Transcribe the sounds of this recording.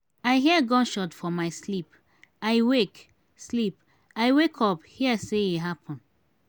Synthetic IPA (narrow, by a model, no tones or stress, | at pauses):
aɪɦiəɡɔ̃nʃɔtfɔmaɪslip | aɪwek | slip | aɪwekʰɔphiəseiɦapʰɔ̃n